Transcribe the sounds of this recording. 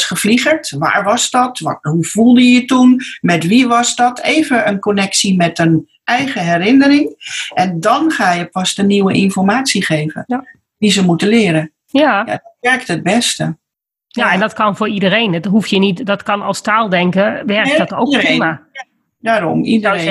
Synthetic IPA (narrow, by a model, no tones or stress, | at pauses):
sχəfliχəɹtʋa̰ːɹʋɔsdɔtʋɔ̰tɦuv̥ulˠdəjətunmɛtʋiʋɑsdɔtʰeːvəənkonɛksimɛtən | ʔɛjχəɦɛɾɪnərɪŋʔɛndɔnχaːjəpɑstəniwəʔɪnfɔɹmaːtsiχeːvə̰ | dizəmutəlɪːɾə | jaja̰dɛɹk̚təd̚bɛstə | jaɛndɔtkɑnvʊːɹidərejnɦuftjənitdɔtkɑnɔlˠstaːlˠdɛŋkəʋɛrk̚dɔtowkima | daːɾɔ̰mḭdəe